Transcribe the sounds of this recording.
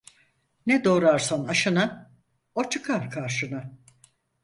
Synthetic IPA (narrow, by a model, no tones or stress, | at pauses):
nɛd̪oːɾaɾsanaʃɯna | ot͡ʃʰɯkʰaɾkʰaɾʃɯna